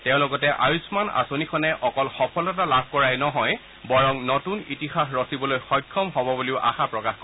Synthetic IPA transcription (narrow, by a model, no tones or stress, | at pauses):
tɛʊ̃lɔɡɔtɛʔajusmana̰sonikʰɔnɛʔɔkɔlxɔpʰɔlɔt̬alab̚ʱkɔɹajnɔɦɔj | bɔɹɔŋnotunitixaxɹɔsibɔlojxɔjkʰːɔmɦɔbɔbuliʊʔa̰xapɹɔkaxko